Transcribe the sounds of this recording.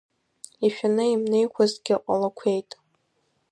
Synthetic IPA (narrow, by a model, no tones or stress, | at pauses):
iʃᶣanɨimnejkʷʰazɡʲɪqʷʼalakʷʰejtʼ